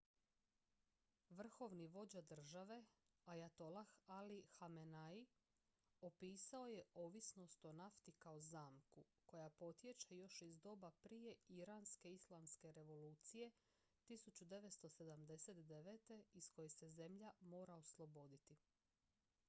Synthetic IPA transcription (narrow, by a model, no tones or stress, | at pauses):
ʋr̩xo̞ʋniʋo̞d͡ʑad̪r̩ʒaʋe̞ | ajat̪o̞laxalixamenai | opiːsao̞je̞o̞ːʋisno̞st̪o̞naft̪ikaozaːmku | ko̞japo̞t̪je̞t͡ʃajo̞ʃizd̪o̞ːbapɾije̞iɾaːnske̞islˠamske̞ɾe̞ʋo̞luːt̪sije̞ | t̪isut͡ɕud̪e̞ʋet̪st̪o̞se̞d̪amd̪e̞se̞t̪d̪e̞ʋeːt̪e̞isko̞jese̞ze̞mʎamo̞ːɾaoslˠo̞bo̞d̪it̪i